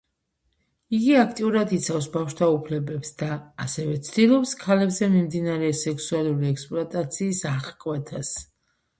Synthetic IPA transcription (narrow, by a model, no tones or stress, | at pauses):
iɡiakʰt̪ʼiuɾad̪it̪sʰafsbafʃt̪ʰaupʰlɛbɛpsd̪aːsɛvɛt̪sʰd̪ilˠɔpskʰalɛbzɛmimd̪inaɾɛsɛksualˠuɾiɛkspʼlɔat̪ʼat̪sʰiːsaχkʼwɛt̪ʰas